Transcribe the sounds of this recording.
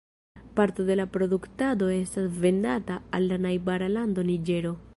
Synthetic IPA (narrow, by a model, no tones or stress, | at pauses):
paɾto̞de̞lapɾo̞duktado̞e̞stasve̞ndataːlːanajbaɾalando̞nid͡ʒe̞ɾo̞